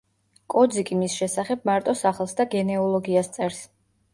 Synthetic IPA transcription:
kʼɔd̪zikʼimisʃɛsaχɛb̚maɾt̪ʼɔsaχlˠsd̪aɡɛnɛɔlˠɔɡiast̪sʼɛɾs

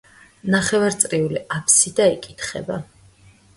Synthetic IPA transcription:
naχɛvaɾt̪sʼɾiuliʔapʰsid̪aikʼit̪ʰχɛ̰ba

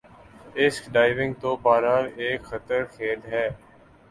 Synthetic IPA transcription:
ɪskɖaːɪʋɪ̃ŋɡ̚t̪oːbaːɾaːneːkxət̪əɾxʰeːlɦɛː

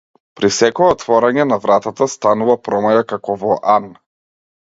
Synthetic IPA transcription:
pɾisɛkɔɛɔt̪vɔɾaɲɛnavɾat̪at̪ast̪anuvapɾɔmajakakɔvɔʔan

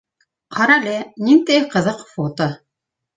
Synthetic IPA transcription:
qʰɑɾɑlʲenint̪ejqɤ̆ðɤqfot̪o

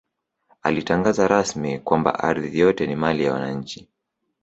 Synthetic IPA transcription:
a̰litaŋɡazaɾasmikwamba̰ʔaɾðijɔtɛnimalijawa̰naɲ̩t͡ʃi̥

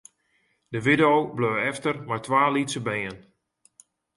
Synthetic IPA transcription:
d̥əʋɪdowbløːɛftərmajtʋaːlitsəbejən

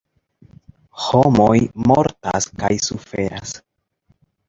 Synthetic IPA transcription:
ho̞mo̞jmo̞ɾta̰skajsufe̞ɾa̰s

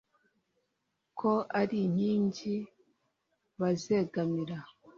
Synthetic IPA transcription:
kʰoʔaɾiɲ̥iːɲɟi | βaze̞ːɡamiɾa

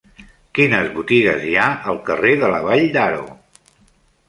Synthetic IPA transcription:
kinəzβut̪iɣəziaəlˠkəreðələβaʎd̪aɾṵ

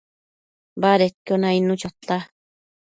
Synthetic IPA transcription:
baɾet̪konainũt͡ʃot̪ːa

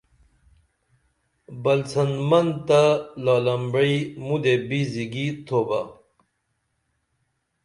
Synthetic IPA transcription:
bɐlt͡sɐnmɐnd̪t̪alɑːlɐmbɾiimud̪ebiziɡit̪ʰoba̰

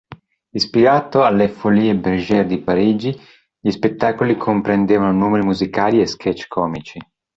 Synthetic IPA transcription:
ispiɾaːt̪oalːefoliːebeɾd͡ʒɛːɾed̪ipaɾiːd͡ʒi | ʎispet̪ːaːkolikʰompɾend̪eːvanonuːmeɾimuzikaːlieskʰɛt͡ʃːkʰɔːmit͡ʃi

